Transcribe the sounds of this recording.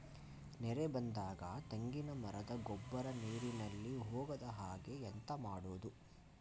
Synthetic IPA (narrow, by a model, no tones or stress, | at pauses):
nɛɾebɐnd̪aːɡɐt̪eŋɡinɐmɐɾɐd̪ɐɡɔbːɐɾɐneːɾinɐlːiɦoːɡɐd̪ɐɦaːɡe̞ːnt̪ɐmaːɽoːd̪u